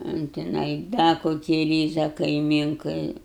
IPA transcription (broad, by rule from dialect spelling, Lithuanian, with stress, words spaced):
ʊn tʲɪˈnɐɪ ˈdɐ koːˈkʲiː ˈrʲiːzɐ kɐɪˈmʲiːŋkɐɪ